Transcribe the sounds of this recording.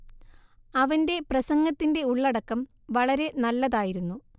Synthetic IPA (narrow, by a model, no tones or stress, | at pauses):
ɐʋɐnde̞prɐsɐŋɡɐt̪ːinde̞uɭːɐɽɐkːɐm | ʋɐɭɐɾe̞nɐlːɐðaːjiɾunːu